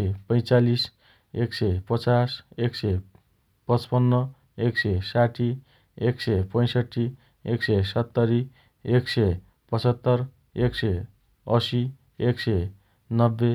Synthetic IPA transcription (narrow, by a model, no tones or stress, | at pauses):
epʌj̃t͡salis | eksepʌt͡sasekse | pʌt͡spʌnːʌ | eksesaʈʰi | eksepʌj̃sʌʈʰːi | eksesʌt̪ːʌɾi | ekse | pʌt͡sʌt̪ːʌr | ekse | ʌsi | ekse | nʌbːe